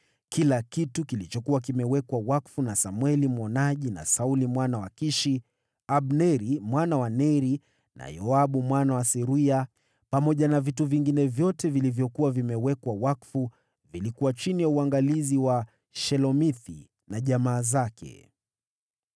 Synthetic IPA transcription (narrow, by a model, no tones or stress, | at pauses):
kilakitukilit͡ʃɔkuwak̬imɛwɛkwawakfunasamwɛlimwɔnaʄina̰saulimwanawakiʃi | aɓnɛɾimwanawanɛɾi | na̰jɔaɓumwanawasɛɾia | pamɔʄanavituviŋɡinɛvjɔtɛvilivjɔkuwavimɛwɛkwawakfu | vilikuwat͡ʃinijauaŋɡaliziwa | ʃɛlɔmiθḭ | naʄamaːzakʰɛ̰